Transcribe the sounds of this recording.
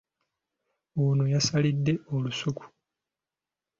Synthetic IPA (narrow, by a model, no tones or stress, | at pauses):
uːnojasalidːe̞olusuku̥